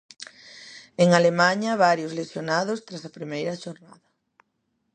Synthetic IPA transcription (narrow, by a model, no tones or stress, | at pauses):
eŋalemaɲɐβaɾjʊzlesjonað̞ʊst̪ɾasɐpɾimejɾɐʃoɾna̰ðɐ